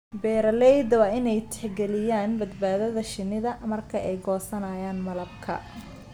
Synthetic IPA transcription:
bɛːɾɐlɛjd̪wɑːɪnɛjt̪ʰɛ̥ħɡɛlɪjaːnbɐd̪baːðɐðɐʃɪnːɪðɐmɐrkʰɐʔɛjɡɔːsɐnaːjaːnmɐlɐbkʰɐ̰

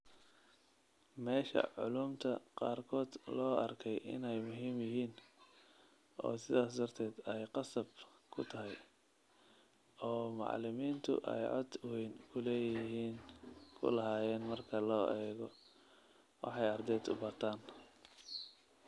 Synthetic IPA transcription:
mɛːʃɐ̰ʕʊ̰luːmt̪ʰɐqɑːrkʰɔːd̪lɔːʔɐrkʰɛjʔɪ̰nɛjmʊɦiːmjɪɦiːn | ʔɔ̰ːsɪðaːs̬d̪ɐrt̪ʰɛːd̪ɛjqɑsɐbkʰʊt̪ʰɐɦɛj | ɔːmɑ̰ʕlɪmiːnt̪ʰʊ̰ʔɛ̰jʕɔ̰d̪wɛjnkʰʊlɛːjɪɦiːnkʰʊ̰lɐɦaːjɛːnmɐrkʰɐlɔːʔɛːɣɔ | wɑ̰ħɑjɐrd̪ɛːd̪ʊ̰bɐrt̪ʰaːn

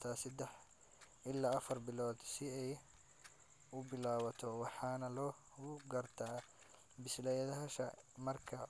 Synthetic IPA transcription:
t̪ʰaːsɐd̪ɛħ | ɪlːaːɐfɐrbɪlɔːd̪sɪɛj | ʊbɪlaːβɐt̪ʰɔwɑħɑːnɐlɔː | ɡʊɡɐrt̪ʰaː | bɪslɛjɐðɐɦɐʃɐmɐrkʰɐ

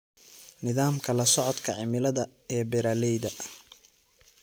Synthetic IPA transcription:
nɪðaːmkʰɐlɐsɔʕɔd̪kʰɐʕɪmɪlɐðɐ | ɛbɛɾaːlɛjðɐ

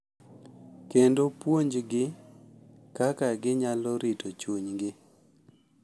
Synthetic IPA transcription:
kendopwoɲd͡ʒɡɪ | kakaɡɪɲalɔɾɪtot͡ʃoɲɡɪ

